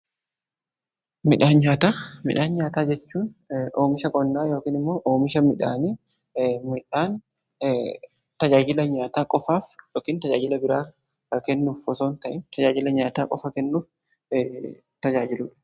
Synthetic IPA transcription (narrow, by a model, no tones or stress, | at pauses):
mɪᶑaːnɲaːt̪aːmɪ̰ᶑaːnɲaːt̪aːd͡ʒɛt͡ʃːuːnoːmɪʃɐkʼɔnːaːjo̞ːkiːnɪmːo̞ːʔoːmɪʃɐmɪᶑa̰ːni | mɪᶑaːn | t̪ɐd͡ʒaːd͡ʒɪlɐɲaːt̪aːkʼɔfaːfjoːkiːnt̪ɐd͡ʒaːd͡ʒɪlɐbɪɾaː | kɛnːuːffɔsoːnt̪ɐʔɪnt̪ɐd͡ʒaːd͡ʒɪlɐɲaːt̪aːkʼɔ̰fɐkɛnːuːf | t̪ɐd͡ʒaːd͡ʒɪluːᶑɐ̥